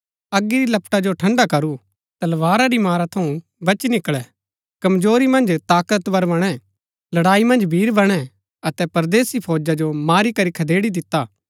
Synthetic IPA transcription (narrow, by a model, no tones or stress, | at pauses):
ɐɡːiɾilɐpʈad͡ʒoʈʰɐ̃ɳɖakɐɾu | t̪ɐlʋaːɾaɾimaːɾat̪ʰɐũ | bɐt͡ʃnɪkɭɛ | kɐmd͡ʒoːɾimɐ̃nd͡ʒt̪aːkət̪bɐɾbɐɽ̃ɛ | lɐɽaːimɐ̃nd͡ʒbʱiːɾbɐɽ̃ɛ | ɐt̪ɛpɐɾd̪eːsipʰoːd͡ʒad͡ʒomaːɾikɐɾikʰɐd̪eːɽid̪ɪt̪ːaː